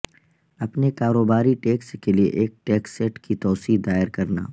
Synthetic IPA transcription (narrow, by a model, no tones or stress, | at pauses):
ɐpnekaːɾoːbaːɾiʈeːkskeliḛʔeːk̚ʈeːksɛːʈkit̪ɔːsiːɦd̪aːɪɾkɐɾna̰ː